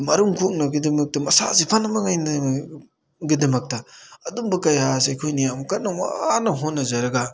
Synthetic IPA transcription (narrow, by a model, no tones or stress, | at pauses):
mɐɾuŋkʰok̚nɐɡidimɐk̚tɐmɐsa̰sipʰanɐmɐŋajnɐ | ɡidɐmɐk̚tɐɐdumbɐkɐjas̬ajkʰojnijamkɐt̚nɐwa̰nɐɦonːɐzɐɾɐɡa